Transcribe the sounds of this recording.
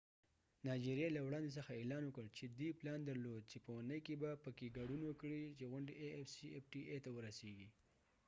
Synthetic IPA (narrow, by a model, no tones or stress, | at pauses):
nɑd͡ʒiɾjɑlawɽɑnd̪es̬əxaelɑnwəkəɽt͡ʃed̪iplɑnd̪aɾlod̪̚t͡ʃepəwanəjkebapəkeɡɑɖunwəkɽit͡ʃeɣʊɳɖeʔefsiefʈiʔet̪awəɾaseɡi